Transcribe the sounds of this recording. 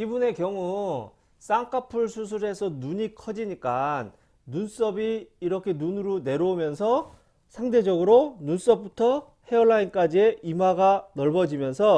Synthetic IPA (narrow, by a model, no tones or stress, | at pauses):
ibune̞kjʌŋu | s͈aŋk͈ʰapʰuɭsʰus̬ʰuɾe̞sʰʌnuɲikʰʌd͡ʑiɲik͈anː | uns͈ʌbiːɾʌkʰe̞nunɯɾone̞ɾomjʌnsʰʌ | sʰaŋde̞d͡ʑʌɡɯɾonuns͈ʌp̚p͈utʰʌ | heʌɭːaink͈ad͡ʑie̞imɦwaɡanʌɭbʌd͡ʑimjʌnsʰʌ